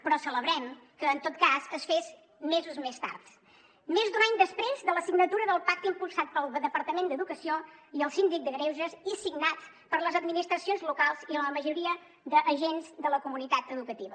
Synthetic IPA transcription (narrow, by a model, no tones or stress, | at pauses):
pɾɔsələβɾɛmkəːnt̪ot̪̚kazəsfez | mezuzmest̪a̰rt̪ | mezd̪unaɲd̪əspɾezðələsiɡnət̪uɾəðəlˠpak̚t̪impulˠsat̪̚pəlˠðəðəpəɾt̪əmend̪əðukəsioiəlˠsind̪ik̚d̪əɣɾewʒəzisiɡnat͡s | pəɾləzəd̪minist̪ɾəsionzlukalˠziələməʒuɾiə | ðəʔːʒenzd̪ələkumunit̪at̪əðukət̪iβə